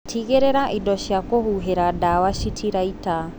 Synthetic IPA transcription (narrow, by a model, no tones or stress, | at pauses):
tʰiɣeɾɛɾaʔidɔʃiakɔhuɦeɾadawaʃitʰiɾaita